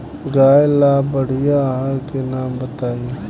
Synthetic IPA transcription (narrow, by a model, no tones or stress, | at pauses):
ɡaːelaːbɐɽ̤ijaɦaɾkenaːmbət̪aːĩ